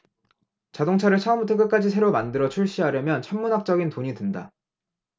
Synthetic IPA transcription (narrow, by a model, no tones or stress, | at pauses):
t͡ɕadoŋt͡ɕʰaɾɯɭt͡ɕʰaɯmutʰek̬͈ɯk͈ad͡ʑisʰe̞ɾomandɯɾʌt͡ɕʰuɭɕ͈iɦaɾjʌmjʌnt͡ɕʰʌmːunɦak̚t͡ɕ͈ʌɡintoɲidɯnda